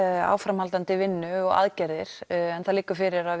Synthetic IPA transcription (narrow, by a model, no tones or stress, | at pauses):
a̰ːwfɾamhalt̪ant̪ɪvɪnːʏɔɣa̰ðcɛɾðɪɾ̥ɛnθaðliːkʏɾ̥fɪɾɪɾa